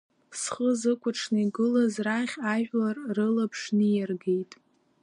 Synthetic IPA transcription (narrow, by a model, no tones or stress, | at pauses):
sχəzɨkʷʰʼʊʈ͡ʂʰnaiɡɨlazraχʲaʒʷᶣlarrɨlapʰʂnɨjarɡejtʼ